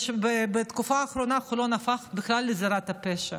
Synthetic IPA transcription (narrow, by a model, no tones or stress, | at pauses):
ʃbebet̪kufaːχɾonaχulonafaχbɪxlalːezaɾat̪apeʃa